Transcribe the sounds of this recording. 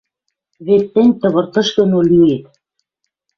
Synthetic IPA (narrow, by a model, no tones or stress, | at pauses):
βet̪ːĕnʲt̪ɤ̆βɤ̆rt̪ɤ̆ʃk̪ɤ̆nolyet̪̚